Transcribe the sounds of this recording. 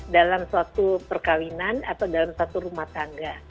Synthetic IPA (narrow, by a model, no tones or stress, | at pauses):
dalamsuat̪upərkawinanat̪awdalamsat̪uɾumaht̪aŋɡa